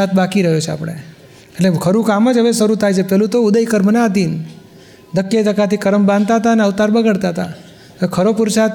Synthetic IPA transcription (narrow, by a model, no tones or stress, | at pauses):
at̪̚bakiɾəɦjot͡ʃʰea̰pɳ̃ḛ | eʈlekʰəɾũkaməd͡ʒɦəʋesəɾut̪ʰajt͡ʃʰepɛɦlut̪oʊd̪əikəɾmənaaːd̪in | d̪əkːjet̪əkat̪ʰikəɾəmbãnd̪̚t̪aɦət̪aəneəʋt̪aɾbəɡəɽt̪aɦət̪a̰ | kʰəɾopuɾsat̪